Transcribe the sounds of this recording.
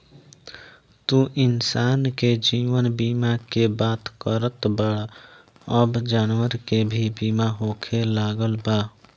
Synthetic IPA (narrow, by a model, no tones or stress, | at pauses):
t̪ũʔɪnsaːnked͡ʒiːʋənbiːmakebaːt̪kəɾət̪bəɽ | əbd͡ʒaːnwəɾkebʱibiːmaɦoːkʰelaːɡəlbaː